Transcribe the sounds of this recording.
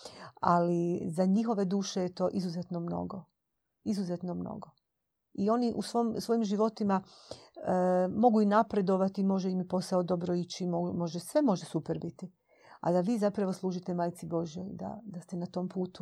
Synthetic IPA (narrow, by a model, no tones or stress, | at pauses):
alizaɲixo̞ʋe̞d̪uːʃe̞jet̪o̞ːʔizuzet̪nomno̞̰ɡo | izuze̞t̪nomno̰ɡo̞ | io̞niʔṵsʋo̞msʋo̞jimʒiʋo̞t̪ima | mo̞ɡuinapɾe̞d̪o̞ʋat̪imo̞ʒeimipo̞saod̪o̞bɾoit͡ɕimomo̞ʒesʋe̞mo̞ʒesupeɾbit̪i | a̰d̪aʋiːzapɾaʋo̞slˠuːʒit̪emajt̪sibo̞ʒijo̰jd̪a̰d̪ast̪e̞nat̪o̞mpuːt̪u